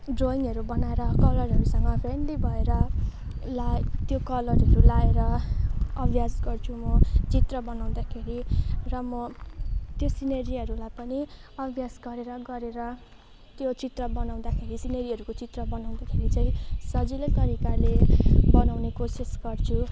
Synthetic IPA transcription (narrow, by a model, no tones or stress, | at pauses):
ɖroiŋʌɾubʌnaeɾʌkʌlʌɾɦʌɾusʌŋɡʌpʰeɳɖibʱʌeɾʌ | lat̪jokʌlʌrɦʌɾulaeɾʌ | ʌbʱjasɡʌrt͡sʰumʌt͡sit̪rʌbʌnaw̃d̪akʰeɾirʌmʌ | t̪josined͡ziʌɾulajpʌniʌbʱjasɡʌɾeɾʌɡʌɾeɾʌ | t̪jot͡sit̪rʌbʌnaw̃d̪akʰeɾisinʌɾiɦʌɾukot͡sit̪rʌbʌnaw̃d̪akʰeɾit͡sʌ̃ĩsʌd͡zilet̪ʌɾikalebʌnawnekosisɡʌrt͡sʰu